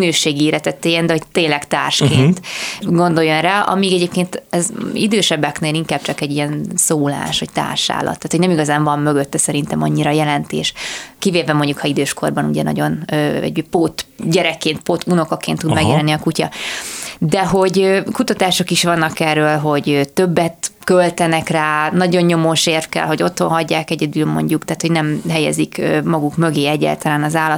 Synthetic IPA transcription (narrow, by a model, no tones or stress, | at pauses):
nøːʃeːɡiiːɾɛt̪ɛt̪ːeːjɛnd̪ɛho̞ɟt̪eːɲlɛkt̪a̰ːrʃkeːnt̪ɡo̞nd̪o̞jo̞nraːʔɒ̰miːɡɛɟeːpkeːnt̪ɛzḭd̪øːʃɛbːɛkneːliŋkaːb̥̚t͡ʃɒkɛɟijɛnsoːla̰ːʃʋɒc̚t̪a̰ːrʃa̰ːlʔɒ̰t̪ːaːt̪o̞ɟnɛmiɡɒzaːɱvɒmmøɡøt̪ːɛsɛɾint̪ɛmɒɲːiɾɒjɛlɛnt̪ḛːʃkiveːvɛmo̞ɲɟukʰɒid̪øːʃko̞̰rbɒnṵɟɛ̰nɒ̰ɟo̞nøːɛ̰ɟpot̪ɟɛɾɛkːeːnt̪̚pot̪uno̞kokːeːnt̪ːud̪mɛɡjɛlɛnːiɒkucɒ̰ | d̪ɛɦo̞ɟøːkut̪ɒt̪aːʃo̞kiʃʋɒnːɒkɛrːøːlɦo̞ɟøt̪øbːɛt̪kølt̪ɛnɛkraːnɒɟo̞ɲːo̞moːʃeːrfkɛ̰lɦo̞ɟo̞t̪honɦɒɟːaːkɛɟɛd̪yːlmo̞̰ɲɟukt̪aːt̪hoɟnɛmɦɛjɛ̰zikømɒɡukmø̞ɡeːɛɟːa̰lt̪ɒlaːnɒzaːlːɒt̪